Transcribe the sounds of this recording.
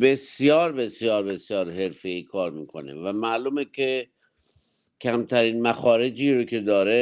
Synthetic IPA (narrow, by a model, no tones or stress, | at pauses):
besjɒːɾbe̞sjɒːɾbe̞sjɒːɾɦe̞ɾfeikʰɒːɾmiːkʰo̞̰nḛvæmæʔluːmekʰe | cʰæmt̪ʰæɾiːnmæxɒːɾe̞d͡ʒiːɾokʰe̞d̪ɒːɾe